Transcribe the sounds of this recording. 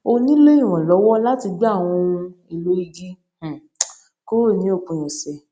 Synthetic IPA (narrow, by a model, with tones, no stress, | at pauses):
o˧nĩ˦le˦ĩ˦˨w̃ɔ̃˨lɔ˨˦wɔ˦la˦ti˧ɡ͡ba˦˨w̃ɔ̃˧i˨lo˨˦i˧ɡĩ˦˨ | ko˦o˦˨nĩ˨˦o˦˨k͡pũ˧˨j̃ɛ̃˨sɛ˨